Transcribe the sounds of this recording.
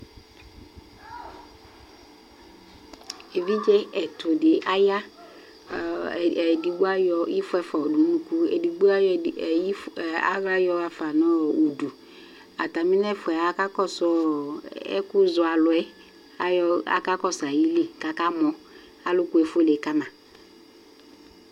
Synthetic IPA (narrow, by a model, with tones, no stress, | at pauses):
e˨vi˦d͡ʒɛ˦ɛ˨tʊ˨dɪ˨ʔa˦ja˦˨ | di˨ɡ͡ba˦jɔ˨i˦fʊ˦ɛ˦fɔ˨du˨˦nũ˦ku˦ɛ̰˨di˨ɡ͡bu˦a˦ji˦˨a̰˦ɣla˦jɔ˦a˨fa˨nɔ˦u˨du˨ | a̰˨ta˨mɪ˦nɛ˦fʊ˨ɛ˨a˨ka˦kɔ˦sɔ˦ | ɛ̰˦kʊ˦zʊ˨a˨lʊ˨ɛ˦ | ɔ˦a̰˨ka˦kɔ˦sa˨ji˦le˦ka˨ka˦mɔ˨ | a˨lʊ˦kʊ˦ɛ˨fo˦le˨˦ka˦mã˨